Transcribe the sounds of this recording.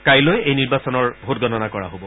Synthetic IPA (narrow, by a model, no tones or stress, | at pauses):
kajlojejniɹbasɔnɔɹbʱutɡʱɔnɔnakɔɹa̰ɦobɔ